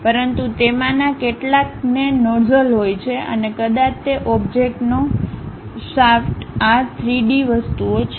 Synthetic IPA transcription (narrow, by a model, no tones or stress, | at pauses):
pəɾənt̪ut̪emãnakeʈlak̚nenɔɾzəlɦojt͡ʃʰeʔə̰nekəd̪ãt͡ʃʰt̪eʔɔbd͡ʒek̚ʈno | safʈat̪ʰɾiɖiʋəst̪uot͡ʃʰ